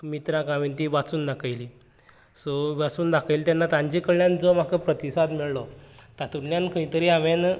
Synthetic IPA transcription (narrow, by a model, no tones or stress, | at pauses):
mit̪ɾãkaʋint̪iʋat͡suːnd̪akʰajli | sɔʋat͡suːnd̪akajlt̪janːat̪ãɲd͡ʑikəɽljãnd͡zɔm̤akəpɾət̪isad̪miɭlɔt̪at̪ujãnkʰəĩt̪əɾiːaʋen